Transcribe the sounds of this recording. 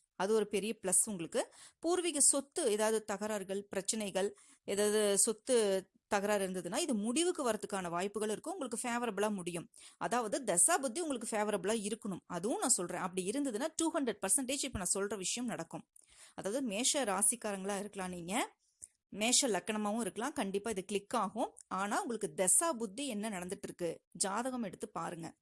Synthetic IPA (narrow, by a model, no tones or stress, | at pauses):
ɐðɯɔɾɯpɛɾɪjɐpɭɐsʊŋɡɐɭɯkːɯpuːɾʋɪɣɯsɔt̪ːɯeːðaːʋɐðɯt̪ɐɣɐɾaːɾɣɐɭpɪɾɐt͡ʃːɐnɐɪɣɐɭ | eːðaːʋɐðɯsɔt̪ːɯ | t̪ɐɣɐɾaːɾɪɾɯnd̪ɐðɯnːaːɪðɯmʊɽɪʋɯkːɯʋɐɾɐt̪ːɯkːaːnɐʋaːjpːɯɣɐɭɪɾɯkːɯ̃mʊŋɡɐɭɯkːɯfeːʋɐɾɐbɯɭaːmʊɽɪjɯmʔɐ̰ðaːʋɐðɯd̪ɐsaːbʊd̪ːiʊŋɡɐɭɯkːɯfeːʋɐɾɐbɭaːɪɾɯkːɐɳɯmɐðɯʋʊ̃nãːsɔlrẽːʔɐp̬ːɐɽiɪɾɯnd̪ɐðɯnːaːʈuːhɐɳɖɾɛɖ̚pɐɾsɐɳʈeːt͡ʃːɪpːoːnãːsɔlrɐʋɪʂɐjɐmnɐɽɐkːɯ̃m | ɐðaːʋɐðɯmeːʂɐɾaːsɪkːaːɾɐŋɡɐɭaːɪɾɯkːɐlãːniːŋɡɐ | meːʂɐlɐkːɐɳɐmaːʋʊ̃ɪɾɯkːɐɭãːkɐɳɖɪpːaːɪðɯkɭɪkːaːɣʊ̃aːnaːʊŋɡɐɭɯkːɯd̪ɛsaːbʊd̪ːiɛnːɐnɐɽɐnd̪ɯʈːɪɾɯkːɯd͡ʒaːðɐɣɐmɛɽɯt̪ːɯpaːɾɯŋɡɐ̰